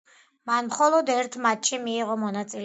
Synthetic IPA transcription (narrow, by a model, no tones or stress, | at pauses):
manmχɔlˠɔd̪ɛɾt̪ʰmat̪̚ʃʰimiːʁɔmɔnat̪sʼil